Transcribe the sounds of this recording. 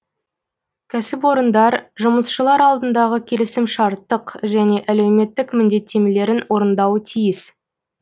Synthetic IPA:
kʲʰæsɪp̬wo̞ɾənd̪ɑɾʒʊməsʃəlˠɑɾɑlˠd̪ənd̪ɑʁəkʲʰe̞lɪsɪmʃɑɾt̪ːəqʒæne̞ʔæle̞wme̞t̪ːɪkmʏnd̪e̞t̪ːemele̞ɾɪnwo̞ɾənd̪ɑwət̪ʰijɪs

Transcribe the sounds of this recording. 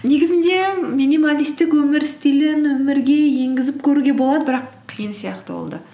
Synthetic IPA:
ne̞ɡʲɪzɪnd̪e̞minimalʲijst̪ɪkwɵmɪɾst̪ilɪnwɵmɪɾɡʲe̞je̞ŋɡʲɪzɪp̚kʲʰɵɾuɡʲe̞bo̞lˠɑd̪əbɪɾɑqʰːijənsijɑqt̪əbo̰lˠd̪ə

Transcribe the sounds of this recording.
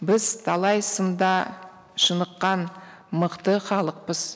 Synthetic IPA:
bɪz̥t̪ʰɑlˠɑjsənd̪ɑ | ʃənəqːɑnməqt̪əχɑlˠəq̚pəz̥

